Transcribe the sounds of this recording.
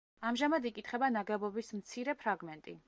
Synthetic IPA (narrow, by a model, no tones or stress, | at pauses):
amʒamad̪ikʼit̪ʰχɛbanaɡɛbɔbismt̪sʰiɾɛpʰɾaɡmɛnt̪ʼḭ